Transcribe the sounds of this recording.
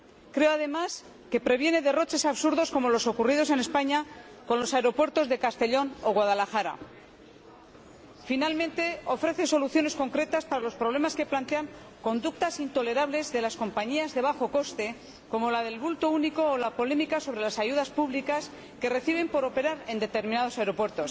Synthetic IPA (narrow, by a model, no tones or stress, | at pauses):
kɾe̞oaðe̞mas | ke̞pɾe̞βje̞ne̞ðe̞ro̞t͡ʃe̞saβsuɾðo̞sko̞mo̞lo̞so̞kurið̞o̞se̞ne̞spaɲa | ko̞nlo̞saeɾo̞pweɾt̪o̞zðe̞kast̪e̞ʎo̞no̞ɣwað̞alaxaɾa̰ | finalmẽnt̪e̞o̞fɾe̞θe̞so̞luθjo̞ne̞sko̞ŋkɾe̞t̪aspaɾalo̞spɾoβle̞maske̞plant̪e̞aŋ | ko̞nd̪uk̚t̪asint̪o̞le̞ɾaβle̞zðe̞lasko̞mpaɲiazðe̞β̞axo̞ko̞st̪e̞ | ko̞mo̞lað̞e̞lβult̪o̞uniko̞ːlapo̞le̞mikaso̞βɾe̞lasaʝuðaspuβlikas | ke̞re̞θiβ̞e̞mpo̞ɾo̞pe̞ɾaɾe̞nd̪e̞t̪e̞ɾmĩnaðo̞saeɾo̞pwe̞ɾt̪o̞s